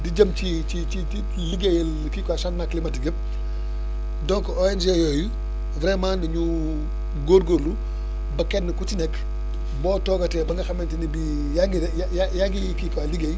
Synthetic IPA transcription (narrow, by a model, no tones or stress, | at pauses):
diɟɐmt͡ʃi | t͡ʃit͡ʃiti | liɡejel | kikwasanmaklimɐtɡəp̚ | dɔŋkɔɔɛnd͡ʒejɔju | vɾɛmaːndiɲu | ɡoɾɡoɾlu | bɐkɛnːəkutinɛk | bɔːtɔɡɐtɛbɐŋɡɐxɐmɛntinibi | jaɡijajajaɡikikaliɡej